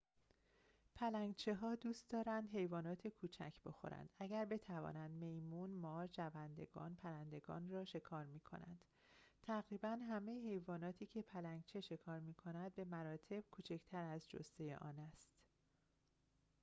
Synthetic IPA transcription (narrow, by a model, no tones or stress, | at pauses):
pʰælæŋɡt͡ʃʰeɦɒːd̪uːst̪̚d̪ɒːɾænd̪ɦe̞jvɒːnɒːt̪ʰekʰuːt͡ʃʰæ̰cʰb̥e̞xo̞̰ɾæ̰nd̪̥æɟæɾbe̞t̪ʰævɒ̰ːnænd̪me̞jmuːnmɒːɾd͡ʒævænd̪e̞ɡɒ̰ːnpʰæɾænd̪e̞ɡɒ̰ːnrɒːʃe̞kʰɒːɾmiːkʰo̞̰næ̰nd̪̥ | t̪ʰæɣɾiːbænɦæmejehe̞jvɒːnɒːt̪ʰiːcʰe̞pʰælæŋɡt͡ʃʰe̞ʃe̞kʰɒːɾmiːkʰo̞næd̪̚be̞mæɾɒːt̪ʰe̞b̥kʰuːt͡ʃʰect̪ʰæɾæzd͡ʒo̰st̪ejḛʔɒːnæst̪